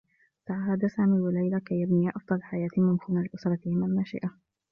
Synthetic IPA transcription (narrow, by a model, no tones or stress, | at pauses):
t̪aʕaɦaːd̪asaːmiːwalajlakajːabniʔɑfd̪ˤɑlħajaːt̪ɪmɪmkuːnalɪʔʊsɾˤɑt̪ɪhɪmalmaʃɪ̰ʔa